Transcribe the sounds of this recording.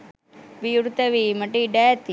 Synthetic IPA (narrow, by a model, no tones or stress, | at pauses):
ʋijuɽt̪ɐʋimɐʈːiɖɛːt̪i